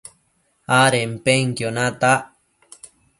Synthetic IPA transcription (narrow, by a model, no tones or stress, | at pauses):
aɾem̩peŋkjonãt̪aʔ